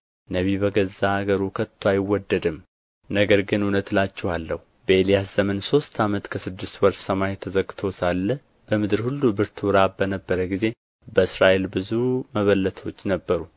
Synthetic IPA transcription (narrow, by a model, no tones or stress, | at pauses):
nəβiβəɡəzaːɡəɾukʰət̪ʰːwajɪwːɔd̪ːəd̪ɨm | nəɡəɾɡɨnunət̪lat͡ʃːɛhalːəhu | bəelijaszəmənso̞st̪ʰamət̪kʰəsɨd̪ːɨst̪wɔɾsəmajt̪ʰəzəɡʼːt̪ʰo̞salːə | b̥əmɨd̪ɨɾhulːubɨɾt̪ʰuɾabənəbːəɾəɡize̞ | bəɨsɾaʔe̞lbɨzuməβəlːət̪ʰo̞t͡ʃːnəbːəɾu